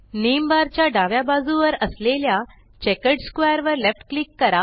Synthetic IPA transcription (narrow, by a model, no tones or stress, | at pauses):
nembaɾt͡ɕjaɖaʋjabad͡zuʋəɾəslelja | t͡ɕɛkəɖskʋajəɾʋəɾlefʈklikːəɾa